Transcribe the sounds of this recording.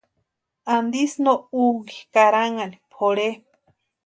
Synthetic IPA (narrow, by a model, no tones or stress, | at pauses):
and̪isnouŋikaɾaŋanipʰoɾe